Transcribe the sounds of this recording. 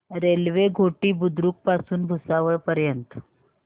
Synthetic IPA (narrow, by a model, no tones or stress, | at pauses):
ɾelʋeɡʱoʈiːbud̪ɾuːk̚pasuːnbʱusaʋəɭpəɾjənt̪